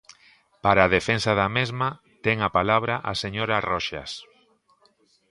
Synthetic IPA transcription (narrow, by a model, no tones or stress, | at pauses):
paɾaːðefensaðamezma | t̪ɛŋapalaβ̞ɾaʔaseɲoɾarɔʃa̰s